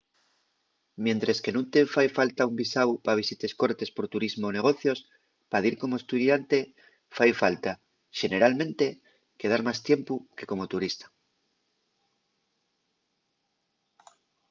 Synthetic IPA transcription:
mje̞nt̪ɾeske̞nũnt̪e̞fajfalt̪aumbisawpaβ̞isit̪e̞sko̞ɾt̪e̞spo̞ɾt̪uɾizmoːne̞ɣ̞o̞θjo̞s | paðiɾko̞moe̞st̪uðjant̪e̞ | fajfalt̪a | ʃe̞ne̞ɾalmẽ̞nt̪e̞ | ke̞ð̞aɾmast̪je̞mpuke̞ko̞mo̞t̪uɾist̪ḁ

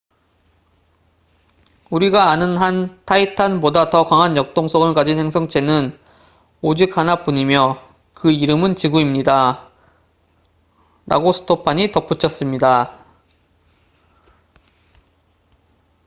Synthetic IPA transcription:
uɾiɡaːnɯnɦantʰaitʰanmodatʌkaŋɦanjʌk̚t͈oŋsʰʌɡɯɭkad͡ʑinhe̞ŋsʰʌŋt͡ɕʰe̞nɯn | od͡ʑik̚hanap͈uɲimjʌ | kɯiɾɯmɯnt͡ɕiɡuimɲida | ɾa̰ɡosʰɯ̥tʰopʰaɲitʌp͈ʰut͡ɕʰʌs͈ɯmɲida

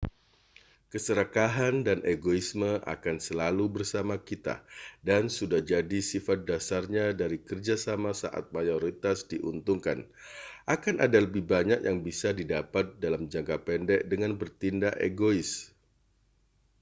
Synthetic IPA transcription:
kəsəɾakaɦandanʔeɡoisməʔa̰kansəlalubərsamakit̪a̰dansudahd͡ʒadisifat̪̚dasarɲadaɾikərd͡ʒasamasa̰ʔa̰t̪̚majoɾit̪asdiʔunt̪uŋka̰n | ʔakanʔa̰daləbɪhbaɲak̚jaŋbisadidapat̪̚dalamd͡ʒaŋkapɛndɛʔdəŋanbərt̪indaʔḛɡoɪs

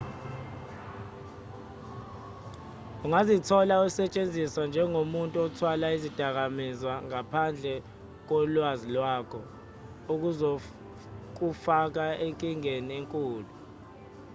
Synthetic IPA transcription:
uŋazitʰɔlausɛt͡ʃʼend͡zʱiswand͡ʒʱɛŋomuntʼuɔtʰwalaizid̥ʱak̬amizwaŋapʰand͡ɮʱɛ | k̬ɔlwazilwakʰɔ | uk̬uzo | k̬ufak̬aeŋkʼiŋenieŋkʼuːlu

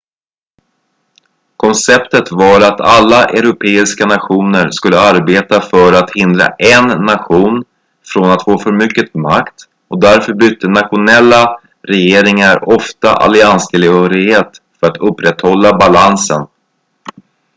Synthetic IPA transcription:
kʰɔnsɛpt̪ət̪vɑɾat̪ʰalːaʔɛɾʊpʰeːɪskanaɧuːnəɾskɵlːəaɾbeːt̪afœɾat̪hɪnd̪ɾa̰ʔɛnːaɧuːn | fɾɔnat̪foːfœɾmʏkːəmakt̪ | ɔk̚d̪æɾfœɾbʏt̪ʰːənat̪ɧʊnɛlːa | ɾɛjeːɾɪŋaɾɔft̪a̰ʔa̰lɪanst̪ʰɪlhœːɾɪɡheːt̪fœɾat̪ɵpːɾɛt̪hɔlːabalansə̰n

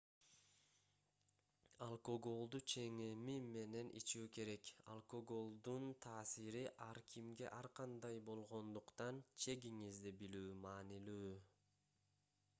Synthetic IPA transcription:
alˠkoɡo̞lˠd̪ut͡ʃʰe̞ŋemime̞ne̞nʔḭt͡ʃuːke̞ɾe̞ka̰lˠkoɡo̞lˠd̪unt̪ʰɑːsiɾiʔɑɾkʰimɡe̞̰ʔɑɾqɑnd̪ɑjbo̞lˠʁo̞nd̪uqt̪ɑnt͡ʃʰe̞ɡiŋizd̪ibilyːmɑːnilyː

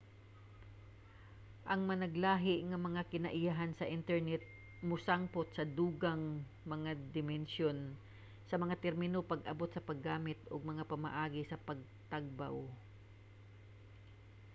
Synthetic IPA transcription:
ʔɐŋmɐnɐɡlaːɦɪʔŋɐmɐŋakɪnɐʔɪjaɦansɐʔɪnt̪ɛɹnɛt̪̚ | mʊsaŋpot̪̚sɐd̪uːɡaŋ | mɐŋad̪ɪmɛnʃon | sɐmɐŋat̪ɛɾmɪnopɐɡʔɐbot̪sɐpɐɡːaːmɪt̪̚ʔoɡ̚mɐŋapɐma̰ʔaːɡɪsɐpɐɡ̚ | t̪aɡ̚ba̰w

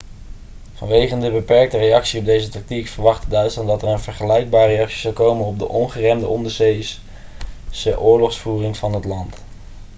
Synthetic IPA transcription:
vɑnʋejχəndəbəpɛɹk̚tərejɑksiɔb̚dejzətɑk̚tikfəɹʋɑχtədœɥtslɑndɑtəɹənvəɹχəlɛjɡ̚baːɹejɑksi̥zɑlˠkowmənɔb̚də̰ʔɔnχərɛmdəʔɔndəɹzejs | səʔʊːɹlɔχsfuːrɪŋvɑnɦətlɑnt

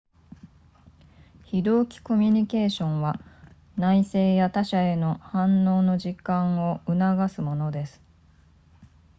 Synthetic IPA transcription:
çid̪o̞ːkʲi̥ko̞mʲiɲ̟ike̞ːɕõ̞ɰ̃βa | naise̞ːjat̪aɕae̞no̞hãnːo̞ːno̞ʑikãɰ̃o̞ɯ̟naɡasɨmo̞no̞d̪e̞sɨ̥

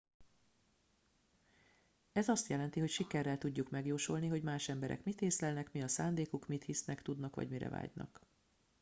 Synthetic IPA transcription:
ɛzɒst̪jɛlɛn̪t̪iɦo̞cʃikɛrːɛlt̪uɟːukmɛɡjoːʃolniɦo̞ɟmaːʃɛmbɛɾʔɛ̰kmit̪eːslɛlnɛkmiɒsaːnd̪eːkukmit̪hisnɛkt̪ud̪nɒkʋɒ̰ɟmiɾɛ̰va̰ːɟnɒ̰k

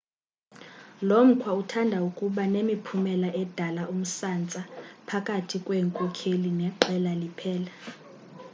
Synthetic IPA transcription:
lom̩kʰwautʰandʱaukʼuɓanemipʰumɛlaʔɛd̥ʱalaʔum̩sant͡sʼapʰakʼatʰikʼwɛːŋkʼɔkʰelinɛǃɛlalipʰɛːla

